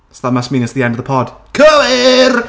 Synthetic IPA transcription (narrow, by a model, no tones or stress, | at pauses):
sðamasminəsðiɛndəvðəpʰɔd̥kʰəlɪr